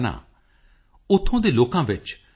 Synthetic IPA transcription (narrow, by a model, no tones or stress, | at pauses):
nã̰ː | ʊt̪ʰːõːd̪eːloːkãːʋɪt͡ʃ